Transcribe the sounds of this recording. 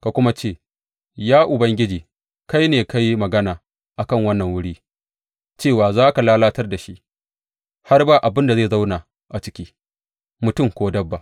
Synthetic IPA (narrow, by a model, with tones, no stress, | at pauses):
ka˨kʷʊ˦ma˦t͡ʃeː˦˨ | jaː˦ʔʊ˨bɐ˦ŋɡʲɪ˦d͡ʒiː˨ | ka˦jneː˨ka˦ji˦mɐ˨ɡɐ˦naː˨ | ʔa˨kɐ˦˨ŋwɐ˦nːɐ˨ŋwʊ˦ɽiː˦ | t͡ʃeː˦˨waː˨zaː˦ka˨laː˦laː˦tɐ˦rda˨ʃi˦ʔ | ha˦rbaː˦ʔa˨bɪ˦nda˨zeː˦˨za˦wnaː˨ | ʔa˨t͡ʃɪ˦kʲiː˦ | mʊ˨tʊ˦˨mkʷoː˦dɐ˦bːa˨ʔ